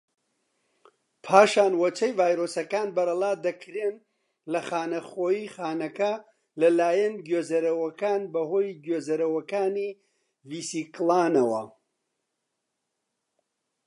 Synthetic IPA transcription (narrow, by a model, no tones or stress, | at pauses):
pʰaːʃaːnwɐt͡ʃʰɐjvaːjɾoːsɐkaːnbɐɾɐlˠaːd̪ɐkʰɾeːn | lɐχaːnɐχoːjiːχaːnɐkɐ | lɐlaːjɐnɡoːzɐɾɐwɐkaːnbɐhoːjɡoːzɐɾɐwɐkaːni | viːsiklˠaːnɐwɐ̰